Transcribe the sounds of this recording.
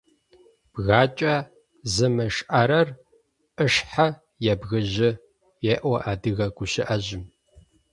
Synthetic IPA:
b̥ɣaːt͡ʃʼɐ | zɐmɐʃʔaɾɐr | ʔəʃħa | jɛbɣɐʑɪ | jɛʔʷɔʔaːdɨɣɐɡʷʊɕɪʔɐʑɪm

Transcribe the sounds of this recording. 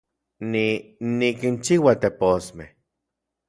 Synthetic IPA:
ninikint͡ʃiwat̪eposmeh

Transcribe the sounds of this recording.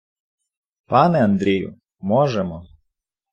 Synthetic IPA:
pɑnɛɐnd̪ɾʲijʊ̰ | mɔʒɛmɔ

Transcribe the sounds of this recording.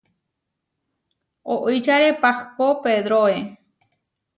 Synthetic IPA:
oʔijt͡ʃaɾepahkopeðɾoe

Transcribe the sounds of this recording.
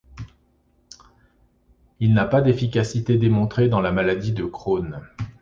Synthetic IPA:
ilnapad̪efikʲasit̪ed̪emɔ̃t̪χed̪ɑ̃lamalad̪id̪əkχon

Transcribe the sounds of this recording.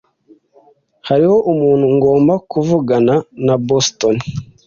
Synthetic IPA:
haɾiho̞ʔumuːn̤̥huŋɡo̞ːmbakuvuɡananabostoni

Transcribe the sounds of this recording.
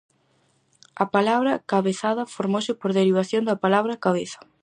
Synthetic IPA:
ɐpalaβɾɐkaβeθaðɐfoɾmosɪpoɾðeɾiβ̞aθjond̪ɐpalaβɾɐkaβeθɐ̥

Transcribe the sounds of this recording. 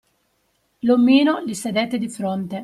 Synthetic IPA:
lomːiːnolised̪et̪ːed̪ifɾont̪e

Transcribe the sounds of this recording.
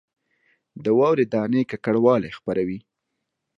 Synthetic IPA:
d̪əwɑwɾed̪ɑnekakaɽwɑlexpaɾawi

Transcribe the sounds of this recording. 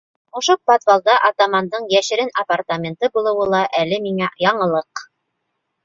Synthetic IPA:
ŏʃopot̪vɑlˠd̪ɑʔɑt̪amɑnd̪ɤɴjæʃɘ̆ɾɘnɐpart̪amʲent̪ɤbulˠɤ̆wɤlˠɑʔælɘmiŋæjɑɴɤ̆lˠɤq

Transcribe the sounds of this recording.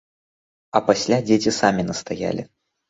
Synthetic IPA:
ɐpasʲlʲad͡zʲet͡sʲisamʲinɐst̪aja̰lʲi

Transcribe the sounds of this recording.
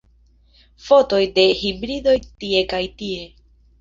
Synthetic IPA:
fo̞to̞jde̞hibɾido̞jt̪ie̞kajt̪ie̞

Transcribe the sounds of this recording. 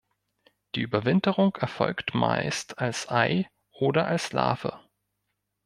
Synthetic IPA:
d̥iːʔyːbɐvɪntəʁʊŋkɛɐfɔ̰lktma̰ɪstʰalsʔaɪ | ʔoːdɐʔalsla̰ːfə

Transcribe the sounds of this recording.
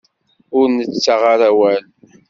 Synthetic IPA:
ʊɾnət͡sːaʁaɾæwæl

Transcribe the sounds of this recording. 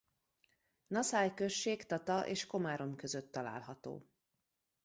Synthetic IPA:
nɒsaːjkø̞ʃːeːkt̪ɒt̪ɒʔeːʃko̞maːɾo̞mkø̞zøt̪ːɒla̰ːlɦɒt̪o̰ː

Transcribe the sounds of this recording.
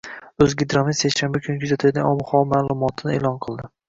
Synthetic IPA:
ɵzɡʲɪd̪ɾɒmisekʲʃanbakʲʰʊnɪkʰʊzat̪ʰɪlʲɡʲanɒmχɒmaːlˠʊmɒt̪ʰɪnɪeːlˠɒnqʰɨlˠd̪ɪ

